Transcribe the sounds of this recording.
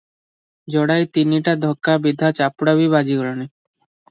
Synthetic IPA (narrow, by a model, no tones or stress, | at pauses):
d͡ʒɔɽajt̪iniʈad̪ʱɔkːabid̪ʱat͡ʃapɽabiβad͡ʒiɡɔɭɔni